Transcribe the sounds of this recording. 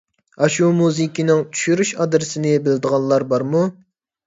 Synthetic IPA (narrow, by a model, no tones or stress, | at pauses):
ɑʃumuzɨkʲinɪŋt͡ʃʰy̥ʃyɾyʃɑd̪ɾɪsɪnɪbɪld̪əʁɑnlˠɑɾbɑɾmu